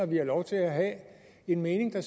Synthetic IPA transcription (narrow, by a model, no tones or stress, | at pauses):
ɑʋiɑlɒʊt͡sʰe̝læɦæ | e̝nme̝ːne̝ŋd̥ɑs